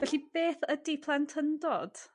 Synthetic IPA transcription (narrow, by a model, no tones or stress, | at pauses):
vɛɬib̥eːθədipʰlˠantʰəndɔd̥